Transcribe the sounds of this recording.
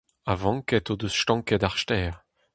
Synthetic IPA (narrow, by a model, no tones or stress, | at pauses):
avɑ̃ŋkɛtod̪øsʃtɑ̃ŋkɛtaʁʃtɛːʁ